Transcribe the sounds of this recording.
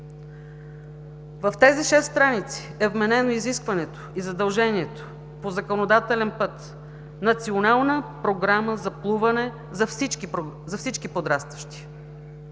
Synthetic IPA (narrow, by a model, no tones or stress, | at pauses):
vɐft̪ɛziʃɛsst̪ɾanit̪si̥ɛvmɛnɛnoiziskvɐnɛt̪o̥izɐd̪ɐlˠʒɛniɛt̪o̥ | pozɐkonod̪at̪ɛlɛnpɤt̪ | nɐt̪sionalˠnəpɾoɡɾaməzɐplˠuvɐnɛ | zɐfsit͡ʃkizɐfsit͡ʃkipod̪ɾast̪vəʃt̪i̥